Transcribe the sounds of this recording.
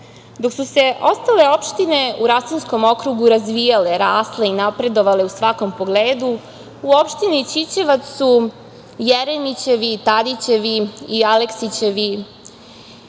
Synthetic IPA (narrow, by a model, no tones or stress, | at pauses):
d̪o̞ksuse̞ʔo̞st̪ale̞o̞pʃt̪ine̞uɾasinsko̞mo̞kɾuɡuɾazʋijale̞ɾaːsle̞inapɾe̞d̪o̞ʋale̞usʋako̞mpo̞ɡleːd̪u | uo̞pʃt̪init͡ɕit͡ɕeʋat̪u | jeɾenit͡ɕe̞ʋit̪ad̪it͡ɕe̞ʋiiale̞ksit͡ɕe̞ʋi